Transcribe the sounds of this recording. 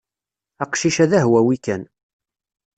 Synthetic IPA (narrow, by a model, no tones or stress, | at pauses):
æqʃiʃæðæɦwæwikæn